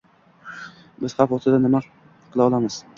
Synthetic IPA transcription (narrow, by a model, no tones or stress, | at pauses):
bɪz̥hafɒst̪ʰɪd̪anɪma | qʰɨlˠaɒlˠamɪz̥